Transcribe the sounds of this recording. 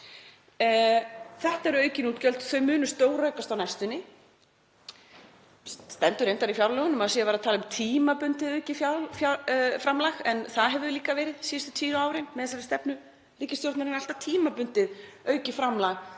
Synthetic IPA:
θɛht̪aɛɾœːɥcɪnuːt̪cœlt̪θœɥmʏːnʏst̪oːwɾœːɥkast̪awnɛjst̪ʏnːɪ | st̪ɛnt̪ʏɾejnt̪aɾifjawɾlɛːɣʏnʏmaðsiavɛːɾaðt̪ʰaːlʏmt̪ʰiːmapʏnt̪ɪðœːɥcɪfjafjafɾamlaɣɛnθaðɦɛvʏliːkavɛːɾɪðsiːst̪ʏ̥t̪ʰiːnʏaːwɾɪnmɛðθɛs̬ːaɾɪ̥st̪ɛpnʏ | riːcɪst̪jowɾt̪naɾɪnalt̪at̪ʰiːmapʏnt̪ɪðœɥcɪfɾamlaɣ

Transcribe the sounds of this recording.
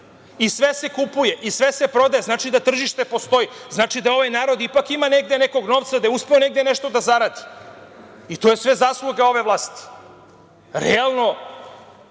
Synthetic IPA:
isʋese̞kupuje̞ʔisʋe̞se̞pɾo̞d̪ajeznaːt͡ʃid̪at̪r̩ʒiʃt̪e̞po̞st̪o̞iznat͡ʃid̪ao̞ʋajnaːɾo̞d̪ipakimane̞ɡ̚d̪eneko̞ɡno̞ʋt̪sad̪ajeuspeone̞ɡd̪eneʃt̪o̞d̪azaɾaːd̪i̥ | it̪ojesʋe̞zaslˠuɡao̞ʋe̞ʋlˠaːst̪i̥ | ɾealˠno̞

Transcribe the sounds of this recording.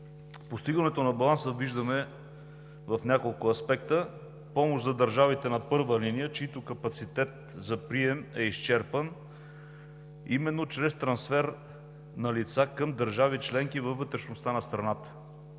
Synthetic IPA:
post̪iɡənɛt̪onɐbɐlˠansəviʒd̪əmɛ | vɐfnʲakolˠkʊɐspɛkt̪ə | pɔmoʃzɐd̪əɾʒavit̪ɛnɐpɤɾvəlinijət͡ʃiit̪okɐpɐt̪sit̪ɛt̪̚ | zɐpɾiɛmɛiʃt͡ʃɛɾpən | imɛnːot͡ʃɾɛst̪ɾɐnsfɛɾ | nɐlit̪sakɤmd̪əɾʒavit͡ʃlɛŋkivɐvːət̪ɾɛʃnost̪anɐst̪ɾɐnat̪ə̥

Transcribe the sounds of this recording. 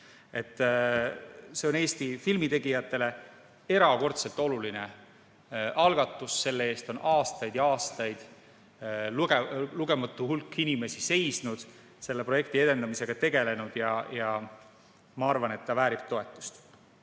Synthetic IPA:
e̞t̪ːˑ | se̞o̞ne̞ːst̪ifilmit̪e̞ɡ̥ijɑt̪ːˑe̞le̞ | e̞ɾɑko̞rt̪se̞lt̪ˑo̞luline̞ | ʔɑlɡ̥ɑt̪ːˑusːe̞lːee̞ːst̪o̞nʔɑːst̪ɑjd̪̥jɑɑːst̪ɑjd̪̥ | luɡeluɡ̥e̞mɑt̪ːˑuhulkːinime̞sise̞jsnud̪̥ | se̞lːe̞proje̞k̚t̪ie̞d̪end̪ɑmise̞ɡ̥ɑt̪e̞ɡe̞le̞nud̪̥jɑjɑ | mɑɑrvɑne̞t̪ːɑvæːɾib̥̚t̪o̞e̞t̪ːˑu̥st̪

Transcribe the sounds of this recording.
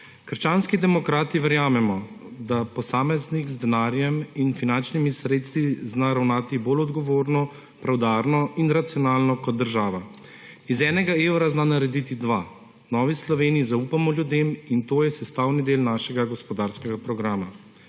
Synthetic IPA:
kəɾʃt͡ʃanskid̪ɛmɔkɾaːt̪iʋɛɾjaːmɛmɔ | d̪apɔsaːmɛznikzd̪ɛnaːɾjɛminfinant͡ʃnimisɾeːt̪st̪ʋiznaɾawnaːt̪iboːlɔd̪ɡɔʋoːɾnɔ | pɾawd̪aːɾnɔinɾat̪sijɔnaːlnɔkɔt̪̚d̪əɾʒaːʋa | izɛːnɛɡaeːwɾaznaːnaɾɛd̪it̪id̪ʋa | nɔːʋislɔʋeːnijizauːpamɔljud̪eːmint̪oːjɛsɛst̪aːwnid̪eːlnaːʃɛɡaɡɔspɔd̪aɾskɛɡapɾɔɡɾaːma

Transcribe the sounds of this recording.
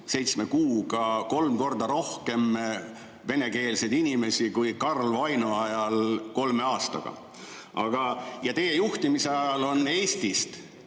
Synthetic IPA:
se̞jt̪smekuːɡɑko̞lmko̞rd̪̥ɑɾo̞hke̞m | ve̞ne̞ke̞ːlse̞d̪inime̞sikujkɑrlvɑjnuɑjɑlko̞lme̞ɑːst̪ɑ̰ɡ̥ɑ̰ | ʔɑ̰ɡ̥ɑjɑt̪e̞je̞juht̪imiseɑjɑlo̞ne̞ːst̪ist̪

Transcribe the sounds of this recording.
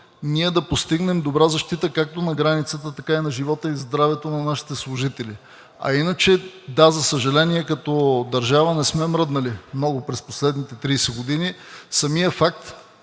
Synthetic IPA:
niɛd̪ɐpost̪iɡnɛmd̪obɾazɐʃt̪it̪əkak̚t̪onɐɡɾanit̪sət̪ət̪ɐkainɐʒivɔt̪əizd̪ɾavɛt̪onɐnaʃi̥t̪ɛslˠʊʒit̪ɛli | ɐ̰inət͡ʃɛd̪azɐsəʒɐlɛniɛkɐt̪ɔd̪ɐɾʒavənɛsmɛmɾɤd̪nɐlimnɔɡʊpɾɛsposlɛd̪nit̪ɛt̪ɾijsɛɡod̪inisɐmijəfak̚t̪

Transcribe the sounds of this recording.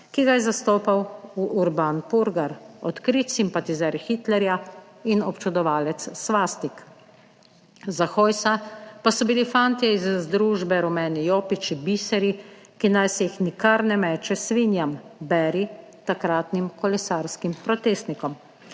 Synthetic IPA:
kiɡajɛzast̪oːpawuʔuɾbanpuɾɡaɾɔt̪kɾit̪simpat̪izɛɾxit̪lɛɾja | inɔpt͡ʃud̪ɔʋaːlɛt̪sːʋaːst̪ik | zaxoːjsapasɔbilifaːnt̪iɛizzd̪ɾuʒbɛɾɔmɛːnijoːpit͡ʃibisɛɾikinajsɛjixnikaɾnɛmɛːt͡ʃɛsʋinjambɛːɾi | t̪akɾaːt̪nimkɔlɛsaːɾskimpɾɔt̪eːst̪nikɔm

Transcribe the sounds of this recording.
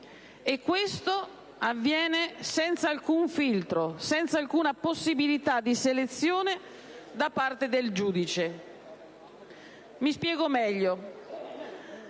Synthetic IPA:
ekːwest̪o | avːjɛːnesɛnt̪saalkuɱfilt̪ɾosɛnt̪salkuːnaposːibilit̪ad̪ːiselet̪sːjoːne | d̪apːart̪ed̪eld͡ʒuːd̪it͡ʃe | mispjɛːɡomɛʎːo

